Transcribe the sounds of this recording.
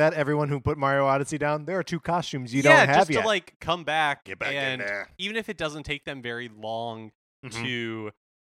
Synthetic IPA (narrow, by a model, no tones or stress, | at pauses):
ɨɾɛvɹiwʌ̃nhupʊt̚mɑɹoʊɑɾɨsidãʊ̃nðə˞ːtʰʉkʰɑstʉ̃mzjɨdõæʊ̃t̚ɨvjtʰɨtlaɪkʰːʌ̃mbæk̚ɡ̥ɛbæɨ̃nivɨ̃nɨfɨt̚d̥ʌzə̃n̩tʰeɪk̚ðɨ̃ɱvɛɹilɔ̃ŋ | tʰʉ